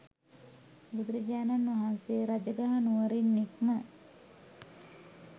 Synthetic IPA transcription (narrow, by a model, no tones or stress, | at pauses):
bud̪uɾəd͡ʒaːnanʋaɦansejːɾad͡ʒəɡaɦanuʋəɾinːikmə